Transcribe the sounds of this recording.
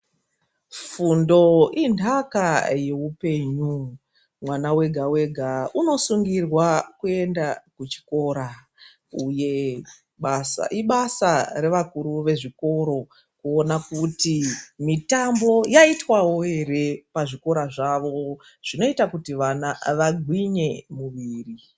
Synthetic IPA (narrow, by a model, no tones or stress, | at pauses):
fundo̞indʱakaje̞upe̞ːɲu | mwanawe̞ɡʱawe̞ɡʱauno̞suŋɡirwakue̞ndakut͡ʃi̥ko̞ɾa | uje̞ | ɓasa̰ʔiɓasaɾe̞ʋakuɾuʋe̞ʐiko̞ɾo̞ | kuonakutimitambo̞jaitwawoɦe̞ɾe̞paʐiko̞ɾaʐaʋo | ʐ̥ino̞itakutiʋanaʋaɡʱwiɲe̞muʋiːri